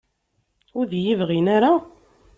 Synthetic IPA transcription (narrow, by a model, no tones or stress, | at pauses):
ʊɾðjivʁinaɾa